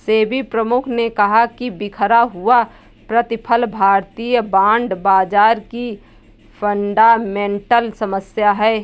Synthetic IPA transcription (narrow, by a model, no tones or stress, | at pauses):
seːbipɾəmʊkʰnekɐɦakibɪkʰəɾaɦua | pɾət̪ɪpʰəlbʱaːɾt̪ijəbãːɳɖbaːd͡ʒaːɾki | pʰə̃ɳɖamẽːɳʈəlsɐməsjaɦɛː